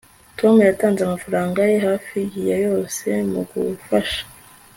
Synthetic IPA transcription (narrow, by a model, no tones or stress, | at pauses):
tʰo̞mujataːnzeamafaɾaːŋɡajehaːfijijajo̞ːse̞mṵɡṵfaʃḁ